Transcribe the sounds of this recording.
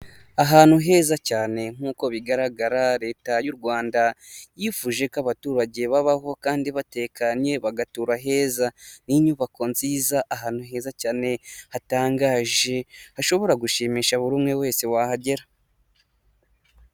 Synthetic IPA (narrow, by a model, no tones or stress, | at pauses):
aɦaːnhuɦe̞ːzacaːne̞ŋ̥uːko̞βiɡaɾaɡaɾaɾe̞ːtajuɾɡwaːndajifuːʒe̞kaβatuːɾaɟe̞βaβaɦo̞kaːndiβate̞ːkaɲɲe̞βaɡatuːɾaɦe̞ːzaniɲuβako̞nziːzaʔaɦaːn̥huɦe̞ːzacaːne̞hataːŋɡaːʒe̞haʃo̞βo̞ɾaɡuʃimiːʃaβuɾuːmŋe̞we̞ːse̞waːhaɟe̞ɾa